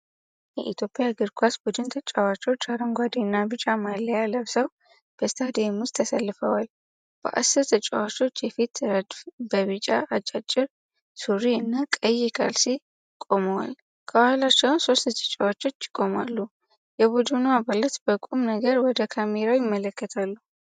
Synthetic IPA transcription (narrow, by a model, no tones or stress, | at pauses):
jɛ̰ʔit̪ʰjo̞pʼɪjaɡɨɾkʰʷasbud̪ɨnt̪ʰət͡ʃʼawat͡ʃʼo̞t͡ʃːaɾəŋɡʷad̪inːabɨt͡ʃʼamalːəjaləβsəw | b̥əst̪ʰad̪emust̪ʰːəsalːɨfəwal | b̥ə̰ʔa̰sːɨɾt̪ʰət͡ʃʼːawat͡ʃo̞t͡ʃːjɛfit̪ʰɾəd̪fbəβɨt͡ʃʼaʔat͡ʃʼat͡ʃʼːɪɾ | suɾiɨnːakʼəjːɪkʰʼa̰lsi | kʼo̞məwa̰l | kʰəbahlat͡ʃːɛwnso̞st̪t̪ʰʼə̥t͡ʃʼːawat͡ʃːo̞t͡ʃːɪ̥kʼːo̞ma̰lːu | jɛβud͡ʒ̪unuabalət̪bəkʼumnəɡəɾwɔd̪əkʰameɾawjɪmːələkːət̪ʰalːu